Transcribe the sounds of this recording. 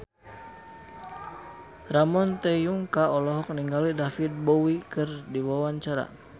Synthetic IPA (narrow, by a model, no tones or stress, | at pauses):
ramɔnt̪ɛjuŋkaɔlɔɦɔk̚niŋɡalidafit̪̚bɔwikɨrdiwawaɲt͡ʃaɾa̰